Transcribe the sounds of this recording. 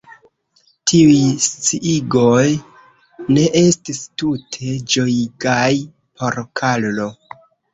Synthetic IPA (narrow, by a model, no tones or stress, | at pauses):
tʰiujst͡siʔiɡo̞j | ne̞ʔe̞stistutʰe̞d͡ʒo̞iɡaj | pʰo̞ɾkʰallo